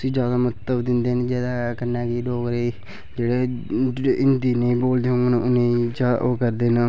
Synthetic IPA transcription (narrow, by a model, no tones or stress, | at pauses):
t̪ʊsĩːd͡ʒjaːd̪aːmət̪ːəbd̪ɪnd̪eːnẽːd͡ʒɛːd̪aːkənːãːkiːɖoːkɾeː | d͡ʒeːɽeː | ɪnd̪iːnẽːĩːboːld̪eːɦõːŋɡnaʊnẽːd͡ʒa̰ːoːkəɾd̪eːna